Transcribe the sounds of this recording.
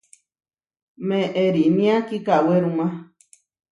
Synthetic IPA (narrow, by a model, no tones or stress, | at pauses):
mẽʔeɾinĩãkikaweɾũmã